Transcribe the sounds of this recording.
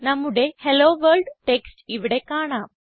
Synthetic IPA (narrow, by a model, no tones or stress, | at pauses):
namuɽeheloʋəlɖʈeksʈiʋɽekaɽ̃a